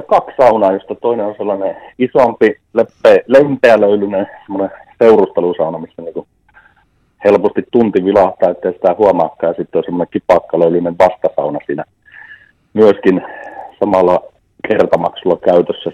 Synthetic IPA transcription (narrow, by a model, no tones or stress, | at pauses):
ɑkɑkssɑunɑːjost̪ɑt̪oˑineonselːɑneisompi | lepːelempeæløylynesemːoneseurust̪elusɑunɑmisːæniːŋku | helpost̪it̪t̪unt̪iʋilɑht̪ˑɑːet̪ːeˑhisi̥t̪æhuɑmɑ̰ːkːɑːˑjɑsit̪ːeosemonekipɑkːɑløˑylyneʋʋɑst̪ɑsɑ̰unɑsiːnæ | myøskinsɑmɑlːˑɑ | kert̪ɑmɑksulːˑɑkæyt̪øsːæ